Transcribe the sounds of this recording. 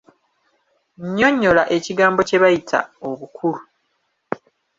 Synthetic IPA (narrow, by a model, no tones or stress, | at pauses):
ɲːo̞ɲːo̞laʔe̞ciɡaːmbo̞ce̞βajitʰa̰oβukʰulu